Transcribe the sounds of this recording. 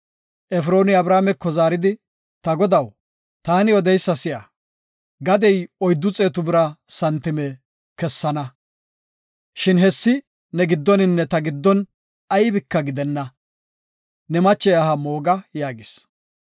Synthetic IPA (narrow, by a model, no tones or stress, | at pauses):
ʔɛfɾo̞ːnɪɐbɾaːmɛkːɔzaːɾɪd̪ɪ | t̪ɐɡɔd̪ɐw | t̪aːnɪɔd̪ɛjsːɐsɪjɐ | ɡɐd̪ɛjɔjd̪ːʊt͡sʼeːt̪ʊbɪɾɐsɐnt̪ːɪmɛ | kɛsːɐnɐ | ʃɪnɦɛsːɪ | nɛɡɪd̪ːɔnɪnːɛt̪ɐɡɪd̪ːɔn | ɐjbɪkːɐɡɪd̪ɛnːɐ | nɛmɐt͡ʃːɛjɐhɐmo̞ːɡɐjaːɡɪs